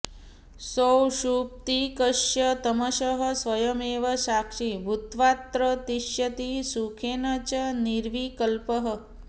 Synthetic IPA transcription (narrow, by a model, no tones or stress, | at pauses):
sowʃup̚t̪ikəʃjət̪əməʃəɦə̆sʋɐjəmeːʋɐsakʂibʱut̪ʋat̪ɾət̪iʃjət̪isukʰenɐt͡ʃəniɾʋikəlpəɦə̆